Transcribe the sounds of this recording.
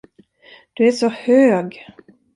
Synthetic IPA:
d̪̥ʉæʂɔhøːɡ

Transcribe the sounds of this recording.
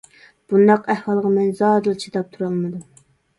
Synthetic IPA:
b̥und̪ɑqɛhwɑlˠʁɑmɛnzɑːd̪ɨlˠt͡ʃʰit̪ɑp̚t̪ʰuɾɑlˠmɨd̪um

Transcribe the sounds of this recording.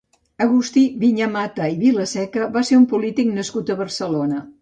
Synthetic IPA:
əɣust̪iβiɲəmat̪əiβiləsɛkəβaseɾumpulit̪iknəskut̪əβərsəlonə

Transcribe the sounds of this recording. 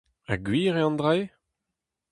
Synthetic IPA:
a̰ɡɥiːʁeɑ̃nd̪ʁeː

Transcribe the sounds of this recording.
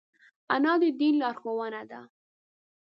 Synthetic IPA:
anɑd̪əd̪inlɑɾxowənad̪a̰

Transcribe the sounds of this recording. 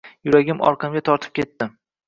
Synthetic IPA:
jʊɾaɡʲɪmɒ̰ɾqʰɨmɡʲat̪ʰɒɾt̪ʰɪ̥p̚kʲʰe̞t̪ːɪ

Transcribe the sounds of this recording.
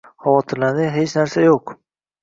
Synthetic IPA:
havɒt̪ʰɪɾlad̪ɪɦet͡ʃnaɾsajoq

